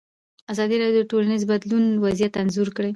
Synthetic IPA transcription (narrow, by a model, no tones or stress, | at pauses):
azɑd̪iɾɑɽjod̪əʈolanizbad̪lunwazjat̪anzuɾkɽej